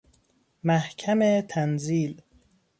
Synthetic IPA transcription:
mæhcʰæmet̪ʰænziːl

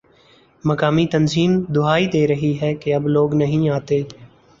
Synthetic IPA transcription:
məkaːmit̪ənziːmd̪ʊaːid̪eːɾəɦiɦɛːkeɐbloːɡnəɦĩːaːt̪eː

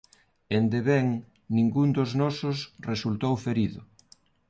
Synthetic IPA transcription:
end̪eβɛŋ | nĩŋɡund̪ʊznɔsʊsresult̪owfeɾiðʊ

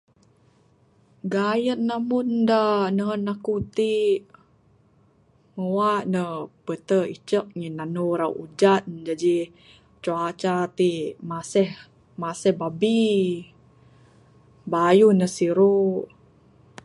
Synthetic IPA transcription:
ɡajət̪̚namundanəənakut̪i | məwaʔnəpət̪əḭt͡ʃəʔ̚ɲinanuɾaw̰ʔud͡ʒat̪̚d͡ʒad͡ʒi | t͡ʃuat͡ʃat̪imasɛh | masəhbabi | bajunəsiɾu

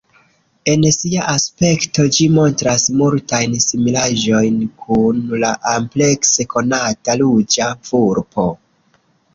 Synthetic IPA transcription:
e̞nsiaʔaspe̞kto̞d͡ʒimo̞ntɾasmultajnsimilaʒo̞jnkʰunlaʔample̞kse̞ko̞natalud͡ʒafuɾpo̞

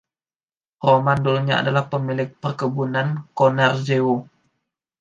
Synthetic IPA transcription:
romandolɲaa̰dalahpəmilɪk̚pərkəbunankonard͡ʒeo

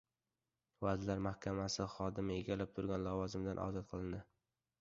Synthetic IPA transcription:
vad̪laɾmahkʲʰamasɪχɒd̪ɪmɪeɡʲalɪp̚t̪ʰʊɾɡʲanlavɒzɪmd̪anʔɒ̰zɒt̪qʰɨlˠɪnd̪ɪ

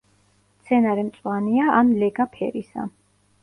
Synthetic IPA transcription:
t̪sʰɛnaɾɛmt̪sʼwaniaʔamlɛɡapʰɛ̰ɾisa̰

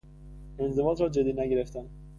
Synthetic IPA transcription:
e̞nzevɒːd̪ɾɒːd͡ʒed̪iːnæɟeɾe̞ft̪æn

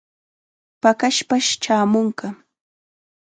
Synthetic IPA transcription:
pakaʃpaʃt͡ʃaːmʊŋkɑ

